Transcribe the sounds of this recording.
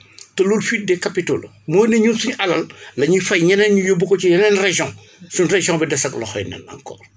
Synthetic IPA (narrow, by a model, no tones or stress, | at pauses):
tɛluːlfiːt̚dɛkɐpitoːl | mɔːjnɛɲuːnsuɲʔɐlɐllɐɲifɐjɲɐnɛnɲujobːukɔciɲɐnɛnreʒjɔ̃ŋ | sunreʒɔ̃ŋbɛdɛsɐklɔxɔjnɛ̰nɐ̰ŋkɔ̰ːr